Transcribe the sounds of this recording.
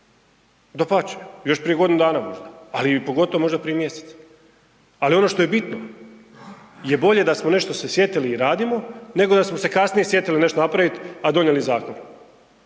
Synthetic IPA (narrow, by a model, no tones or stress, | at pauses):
d̪opat͡ʃe̥jo̞ʃpɾijeɡ̞d̪inud̪aːnamo̞ʒd̪aalipo̞ɡo̞t̪oomo̞ʒd̪apɾijemjese̥t̪s | alio̞no̞ʃt̪o̞je̞bit̪no̞ | je̞bo̞ʎe̞d̪asmo̞ne̞ʃt̪o̞sesje̞t̪iliːɾaːd̪imo̞ne̞ɡo̞d̪asmose̞kasnije̞sje̞t̪iline̞ʃt̪onapɾaʋit̪ad̪o̞ɲjelizaːkon